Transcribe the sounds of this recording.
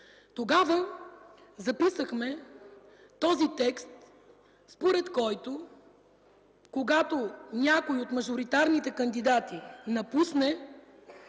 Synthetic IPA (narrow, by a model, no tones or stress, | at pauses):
t̪oɡavə | zɐpisəxmɛ | t̪ɔzit̪ɛkst̪ | spoɾɛt̪kɔjt̪o | koɡat̪onʲakoiot̪mɐʒʊɾit̪aɾnit̪ɛkənd̪id̪at̪inɐpusnɛ